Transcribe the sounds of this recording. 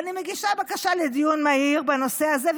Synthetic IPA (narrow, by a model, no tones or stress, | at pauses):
nimeɡiʃabakaʃaled̪ijunmaiʁbeno̞se̞azev